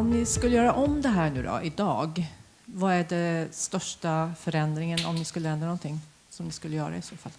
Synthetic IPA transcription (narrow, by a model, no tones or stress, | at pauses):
ɔmnɪskɵlːəjœːɾaʔɔmd̪ɛɦæːɳʉ̟ːd̪ɔ̰ʔɪd̪ɑːɡ | vaæɖɛst̪œʂʈafœɾɛnd̪ɾɪŋənɔ̰mnɪskɵlːəɛnd̪ɾanɔnt̪ʰɪŋː | sɔmnɪskɵlːəjœːɾa̰ɪsoːfalː